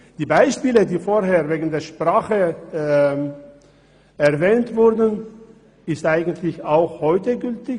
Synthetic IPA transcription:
d̥iːbaɪʃpiːlədiːfoːɦeːɐveːɡn̩deːɐʃpʁ̥aːχə | ɛɐvɛːntv̥ʊɐdn̩ | ɪstʔaɪɡən̩tʰlɪçaʊxhɔʏtəɡʏltɪç

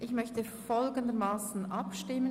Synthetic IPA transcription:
ʔɪçmœçtə | fɔlɡəndəmaːsn̩ʔɑpʃtɪmə

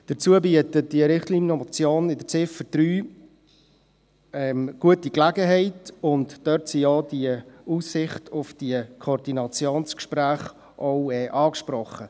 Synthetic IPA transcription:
d̥ət͡suəbiətət̚d̥iəɾɪχtlinot͡sjoːnɪdəɾt͡sɪfəɾd̥ɾyː | ɛmɡ̥uətiklæɡəɦɛɪtʊntd̥œɾtsiɔːdiəuːsːɪχtʰʊfd̥iəkʰoɾd̥inɑt͡sjoːnskʃpɾæːχ | ʔoʊɛʔɑːkʃpɾɔχə

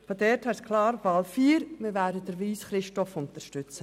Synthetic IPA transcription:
fodɛːɾthɛskʰlɑːɾfɑːlfiːɾmɪʋæːdəd̥əɾʋiːsχɾɪʃtɔfʊntəɾʃtʏt͡sə

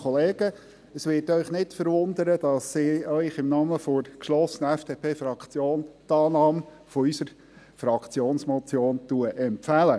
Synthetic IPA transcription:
ɔleːɡə | əsʋɪtœʏχnɪtfəɾʋʊnd̪əɾəd̥ɑsːɪːœʏχɪmnɑːməfoɾkʃlɔsənəɛfd̥eːpʰeːfɾɑkt͡sjoːntɑːnɑːm | fɔysəɾ | fɾɑkt͡sjoːnsmɔt͡sjoːntuəʔɛmpfælə

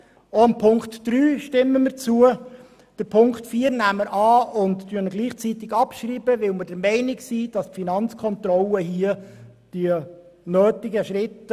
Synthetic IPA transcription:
oɑmpʰʊŋktd̥ɾyːʃtɪmːəməɾt͡suə | d̥əɾpʰʊŋktfiːəɾnæmːəɾʔɑːʊndtyənəɡliːχt͡sit̪ɪɡɑpʃɾiːb̥əʋɪlməɾdəɾmɛɪnɪksiːd̥ɑstfinɑnt͡skʰɔnt̪ɾɔləhiə | d̥iə | nøːtɪɡəʃɾɪt

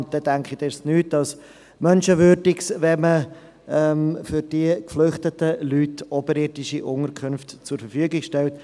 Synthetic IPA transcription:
nt̚d̥ɛdæŋkχidɪɾsnyːt̚d̥ɑs | mœnʃəvøːɾdɪksvɛmə | ɛmfʏɾd̥iəkflʏχtətəlyːtɔbəɾɪɾdɪʃiʔʊŋəɾkʰɵnftt͡sʊɾfəɾfyəɡɪɡʃtɛlt

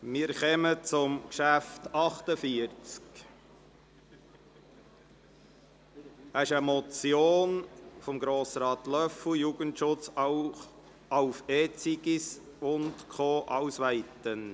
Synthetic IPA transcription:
mɪːɾχɛmət͡sʊmkʃæftɑχtəfiəɾt͡sk | ɛsɪʃəmɔt͡sjoːnfɔmɡɾoːsɾɑːt̪lœfʊjuɡəntʃʊt͡s | ɑʊfet͡siɡis | ʊntkʰχoːʔɑʊsʋæɪt̪ən

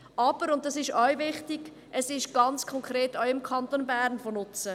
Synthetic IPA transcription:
ʔɑb̥əɾʊnt̚dɑsɪʃœɥʋɪχtɪɡ̥ | ʔəsɪʃɡ̥ɑnt͡skʰɔŋkʰɾeːtɔʊɪmkʰɑntonbæːɾnfonʊt͡sə

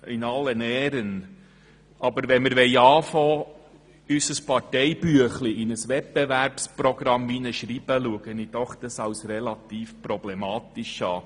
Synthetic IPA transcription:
ɪnɑlːənɛːɾən | ʔɑbəɾʋɛnməɾʋɛɪɑːfoː | ysəspɑɾtɛɪb̥yəχliʔɪnəsʋɛpbɛvæɾpsprɔɡ̥ɾɑmvinəʃɾiːbəluəɡənid̥̪ɔχd̥̪əsɑwsrɛlɑt̪iːfpɾɔblɛmɑːt̪ɪʃɑː

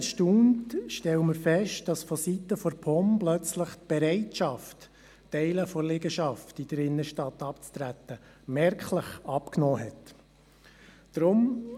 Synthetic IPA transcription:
ʃtuːntʃtɛləməɾfɛʃt̚d̥ɑsfɔsit̪ːəfɔɾpʰɔmblœt͡sləχt̚b̥ɛɾɛɪtʃɑft | tɛɪləfɔlɪɡəʃɑftid̥əɾɪnːəʃtɑt̪ːɑpt͡st̪ɾæt̪ːə | mɛɾkχləχɑpknɔːɦɛt | d̥ɾʊm

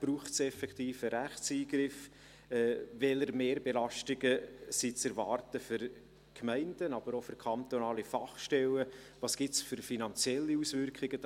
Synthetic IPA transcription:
b̥ɾuːχtsɛfɛkʰt̪iːfəɾæχt͡siːɡ̥ɾɪf | ɛvɛləɾmeːɾbelɑʃtɪɡəsit͡sɛɾvɑːrtəfʏɾ | kʰmæɪndənɑb̥əɾofʏɾkʰɑnt̪onɑːlifɑχʃtɛləvɑsɡ̥ɪtsfʏɾfinɑnt͡sjɛlːiusvʏɾkχɪɡ̥ə

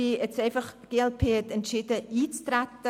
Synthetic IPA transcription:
iːɛtseɪfɐχɡ̥eɛlpʰeːtɛntʃidəʔiːt͡stɾɛtə

